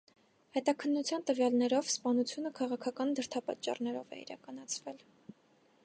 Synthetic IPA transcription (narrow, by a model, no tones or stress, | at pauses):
hɛt̪ɑkʰənːut͡sʰjɑnt̪əvjɑlnɛɾɔvspɑnut͡sʰjunəkʰɑʁɑkʰɑkɑnd̪əɾt̪ʰɑpɑt͡ʃːɑ̰rnɛɾɔ̰vɛ̰ḭɾɑ̰kɑnɑt͡sʰvɛl